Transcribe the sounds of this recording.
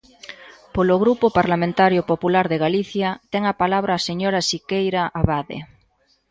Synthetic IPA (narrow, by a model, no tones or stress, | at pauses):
poloɣɾupopaɾlamẽnt̪aɾjʊpopulaɾðeɣaliθjat̪ɛŋapalaβ̞ɾaːseɲoɾasikejɾaʔaβaðḛ